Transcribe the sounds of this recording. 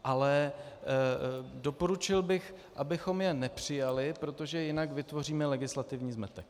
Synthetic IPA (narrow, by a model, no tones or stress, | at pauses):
ʔalɛ | do̞po̞ɾut͡ʃɪlbɪx | ʔabɪxo̞mjɛnɛpr̝̥ɪjalɪpɾo̞t̪o̞ʒɛjɪnakvɪt̪vo̞riːmɛlɛɡɪslat̪ɪvɲiːzmɛt̪ɛk̚